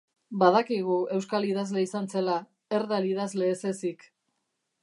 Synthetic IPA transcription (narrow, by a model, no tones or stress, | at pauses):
baðakiɣue̞wskaliðazle̞isant͡se̞la | e̞ɾðaliðazle̞ːse̞sik